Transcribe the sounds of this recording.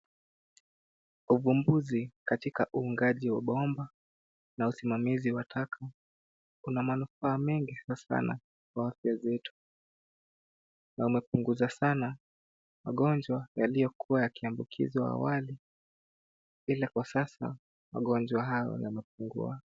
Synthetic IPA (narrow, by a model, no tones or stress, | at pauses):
uvumbuzikatikaʔuːŋɡaʄiwaɓɔmba | nausimamiziwatʰakʰa | unamanufaːmɛŋɡisasa̰na̰ | kwaafjazɛtu̥ | naumɛpuŋɡuzasana | maɠɔnd͡ʒwajalijɔkʰuwajakiambukʰḭziwa̰ːwali | ilakwasasa̰ | maɠɔnd͡ʒwaɦajɔ̰ja̰mɛp̚uŋɡṵa